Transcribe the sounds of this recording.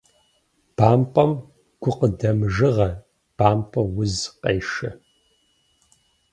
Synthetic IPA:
b̥aːmpʼɐm | ɡ̥ʷʊqədɐmʒɨʁɐ | b̥aːmpʼɐwʊzqʼḛjʂɐ

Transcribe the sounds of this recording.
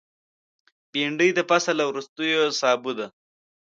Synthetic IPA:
biɳɖəjd̪əpasalawɾust̪əjosɑːbud̪a

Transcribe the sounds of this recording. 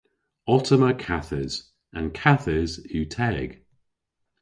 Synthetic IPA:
ɔtʰəməkʰaθəz̥ | ə̃nkʰaθəzʉːtʰɛɡ̥

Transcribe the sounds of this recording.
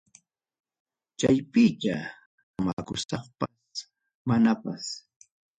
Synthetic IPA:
t͡ʃajpɪt̪a | ma̰kʊsɑχpas | manapas

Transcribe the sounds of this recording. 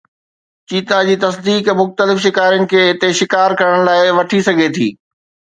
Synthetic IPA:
t͡ɕiːt̪ad͡ʑiːt̪ɐsd̪iːkmʊxt̪əlɪfʃɪkaːɾjʊnɪ̆kʰeːɦɪt̪eʃɪkaːɾkɐɾəɽ̃laːɪʋɐʈʰisɐɡʱet̪ʰḭː

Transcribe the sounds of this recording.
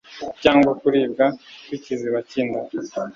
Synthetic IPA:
caːŋɡwakuɾiːbɡakwiciziβaciːnda

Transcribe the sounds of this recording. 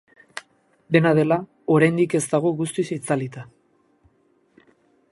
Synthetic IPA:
d̪e̞naðe̞la | o̞ɾajnd̪ike̞zt̪aɣ̞o̞ɣust̪isejt͡salit̪a

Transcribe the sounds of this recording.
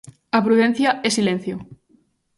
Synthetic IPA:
apɾuðẽn̟θjaɛsilẽn̟θjo

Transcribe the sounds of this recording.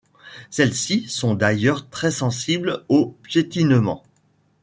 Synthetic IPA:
sɛlsisɔ̃d̪ajœʁt̪χɛsɑ̃siblopjet̪inmɑ̰̃

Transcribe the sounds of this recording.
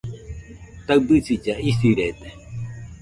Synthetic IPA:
t̪aɨd̪ɨsid͡ʒaisiɾed̪e̥

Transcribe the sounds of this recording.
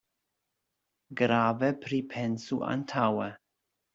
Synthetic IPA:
ɡɾaːvəpʰɾipʰɛnsuʔa̰ntʰawə

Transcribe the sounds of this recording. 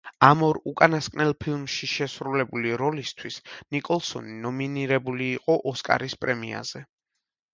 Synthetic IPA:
amɔɾukʼanaskʼnɛlˠpʰilˠmʃiʃɛsɾulɛbuliɾɔlist̪ʰwisnikʼɔlˠsɔ̰ninɔminiɾɛbuliːqʼɔʔɔskʼa̰ɾispʼɾɛmia̰z̥ɛ

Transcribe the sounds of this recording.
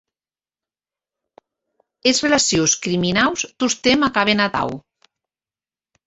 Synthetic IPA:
ezrelasijoskɾiminawst̪ust̪emakaβ̞enat̪a̰w

